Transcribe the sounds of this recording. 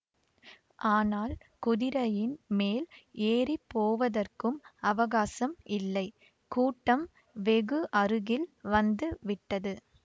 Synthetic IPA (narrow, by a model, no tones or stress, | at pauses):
ʔaːnaːl | kʊðɪɾɐjɪnmeːleːripːoːʋɐðɐrkɯmɐʋɐɣaːsɐmɪlːɐɪ | kuːʈːɐm | ʋɛɣɯʔɐɾɯɣɪlʋɐnd̪ɯʋɪʈːɐðɯ